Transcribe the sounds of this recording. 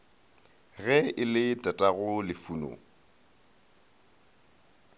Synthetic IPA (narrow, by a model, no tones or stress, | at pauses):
ɣɛɪlɪtʼatʼaɣʊlɪfuno̰